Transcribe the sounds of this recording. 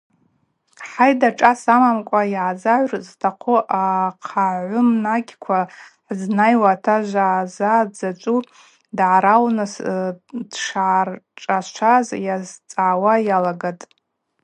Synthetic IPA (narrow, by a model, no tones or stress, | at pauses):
ħajdaʈ͡ʂʼasamamkʷʼajaʕazaʕʷrztʰaqʷʰʊʔaqʰaʕʷʊmnaɡʲkʷʰaħznajwatʰaʒʷazad͡zat͡ʃʷʼu | dʕaɾalnɨs | d̥ʂaʕrʈ͡ʂʼast͡ʃʷʰazjazt͡sʼaːwajalaɡatʼ